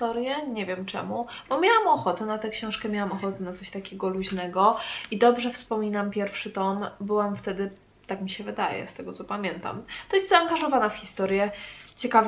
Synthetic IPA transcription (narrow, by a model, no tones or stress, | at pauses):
t̪ɔɾjɛɲevʲjɛmt͡ʂɛ̰mu | bɔmʲjawamɔxɔt̪ɛnat̪ɛkɕɔ̃w̃ʂkɛmʲjawamɔxɔt̪ɛnat̪sɔɕt̪akʲeɡɔluʑnɛɡɔid̪ɔbʐɛfspɔmʲinampʲjɛɾfʂɘt̪ɔmbɘwamft̪ɛd̪ɘ | t̪akmʲiɕɛvɘd̪ajɛ̰st̪ɛɡɔt̪sɔpamʲjɛnt̪a̰mt̪ɔjɛst̪zaːŋɡaʐɔvanafxʲist̪ɔɾjɛt͡ɕɛkav